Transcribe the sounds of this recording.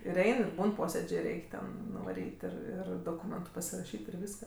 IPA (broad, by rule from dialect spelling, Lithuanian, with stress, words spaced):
ɪr ˈɛɪn ɪr ˈbuːn ˈpoːsʲeːd͡ʒʲeː ˈrʲɛɪkʲ tʲɛn nʊʋɐˈrʲiːtʲ ˈɪr ˈɪr doːˈkuːmʲɛntʊ pɐsʲɪrɐˈʃʲiːtʲ ɪr ˈʋʲiːskɐ